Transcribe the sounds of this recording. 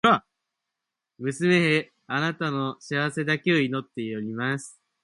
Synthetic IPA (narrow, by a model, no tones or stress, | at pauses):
a | mɯ̟sɨme̞ɦe | anat̪ano̞ɕiaβ̞ase̞d̪ake̞o̞ino̞t̪ːeioɾʲimasɨ̥